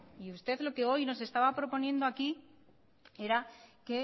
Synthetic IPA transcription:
iust̪e̞ðlo̞ke̞o̞jno̞s̬e̞st̪aβapɾo̞po̞nje̞nd̪oaki | e̞ɾake̞

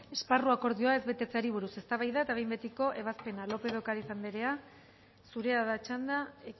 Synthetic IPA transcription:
e̞sparuako̞ɾðio̞ae̞zβe̞t̪e̞t͡seaɾiβ̞uɾuse̞st̪aβajðaet̪aβe̞jmbe̞t̪iko̞ʔe̞β̞aspe̞nalo̞pe̞ðokaɾisand̪eɾe̞a | suɾe̞aðat͡ʃand̪a

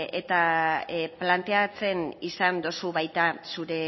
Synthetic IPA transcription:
et̪a | plant̪e̞at͡se̞nisand̪osuβajt̪asuɾe̞

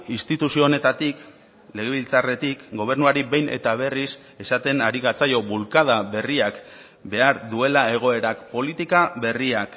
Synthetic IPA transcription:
inst̪it̪usio̞ne̞t̪at̪ik | le̞ɣ̞e̞βilt͡sare̞t̪ikɡo̞β̞e̞ɾnuaɾiβe̞jne̞̰t̪aβ̞e̞ris | e̞sat̪e̞naɾiɣat͡sajo̞βulkað̞aβe̞riak | be̞aɾðue̞lae̞ɣ̞o̞e̞ɾakpo̞lit̪ikaβe̞riak

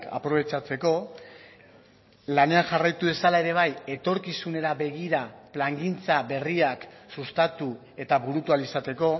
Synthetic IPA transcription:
ka̰pɾo̞βe̞t͡ʃat͡se̞ko̞ | lane̞anʝarajt̪uðe̞salae̞ɾe̞β̞aje̞t̪o̞ɾkisune̞ɾaβe̞ɣ̞iɾaplaŋɡint͡saβe̞riaksust̪at̪u | e̞t̪aβuɾut̪ualisat̪e̞ko̞

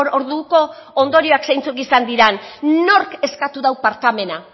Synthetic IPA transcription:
ɾo̞ɾðuko̞ːnd̪o̞ɾio̞aksejnt͡sukisand̪iɾanno̞ɾke̞skat̪uðawpaɾt̪ame̞na

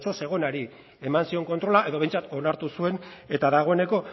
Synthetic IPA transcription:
t͡ʃo̞se̞ɣ̞o̞naɾi | e̞mansio̞ŋko̞nt̪ɾo̞laʔe̞ðo̞βe̞jnt͡sat̪o̞naɾt̪usue̞ne̞t̪aðaɣ̞o̞e̞ne̞ko̞

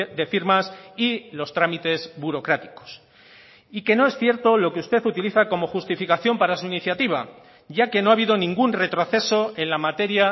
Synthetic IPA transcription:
ðe̞fiɾmasilo̞st̪ɾamit̪e̞zbuɾo̞kɾat̪i̥ko̞̥s | ike̞no̞e̞sθje̞ɾt̪o̞lo̞keust̪e̞θut̪iliθako̞mo̞xust̪ifikaθjo̞mpaɾasuiniθjat̪iβ̞a | ɟ͡ʝake̞no̞aβ̞iðo̞nĩŋɡunre̞t̪ɾo̞θe̞so̞e̞nlamat̪e̞ɾja

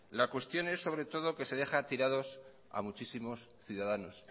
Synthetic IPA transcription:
lakwe̞st̪jo̞ne̞sːo̞βɾe̞t̪o̞ð̞o̞ke̞se̞ðe̞xat̪iɾaðo̞s | a̰mut͡ʃisimo̞s | θjuðaðano̞s

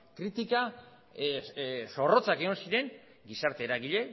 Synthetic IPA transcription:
kɾit̪ika | so̞ro̞t͡sakeɣonsiɾe̞ŋ | ɡisaɾt̪e̞ːɾaɣiʎe̞

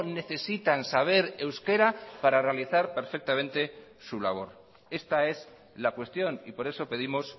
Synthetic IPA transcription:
ne̞θe̞sit̪ansaβ̞e̞ɾe̞wske̞ɾapaɾarealiθaɾpe̞ɾfek̚t̪amẽ̞nt̪e̞ | sula̰β̞o̞ɾ | e̞st̪ae̞z | lakwe̞st̪jo̞nipo̞ɾe̞so̞pe̞ðimo̞s

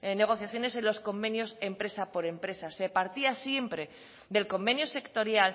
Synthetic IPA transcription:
ne̞ɣ̞o̞θjaθjone̞senlo̞sko̞mbe̞njo̞se̞mpɾe̞sapo̞ɾe̞mpɾe̞sase̞paɾt̪iasje̞mpɾe̞ | d̪e̞lko̞mbe̞njose̞kt̪o̞ɾjal

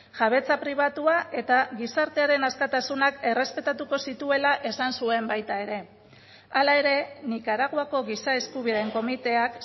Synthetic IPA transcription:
ʝaβe̞t͡sapɾiβ̞at̪uaʔe̞t̪aɣisaɾt̪eaɾe̞naskat̪asunake̞re̞spe̞t̪at̪uko̞sit̪ue̞laʔe̞sansue̞mbajt̪ae̞ɾe̞ | alae̞ɾe̞nikaɾaɣoako̞ɣisae̞skuβ̞iðe̞ŋko̞mit̪e̞ak

